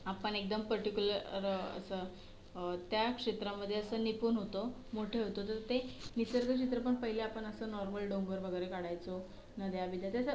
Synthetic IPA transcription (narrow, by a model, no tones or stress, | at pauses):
apəɳek̚d̪əmpəɾʈikʲjuləɾɾə̰sə | t̪jakʂet̪ɾaməd̪ʱːjeəsənipuːnɦot̪omoʈʰeɦot̪ot̪ət̪enisəɾɡ̪əkʂit̪ɾəpəɳpəɦileapəɳəsəːnɔɾməlɖombəɾʋəɡəjɾekaɽajt͡so | nəd̪jabid̪jat̪jasə